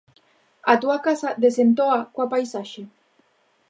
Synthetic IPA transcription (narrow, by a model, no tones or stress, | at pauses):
at̪uakasaðesent̪oakwapajsaʃe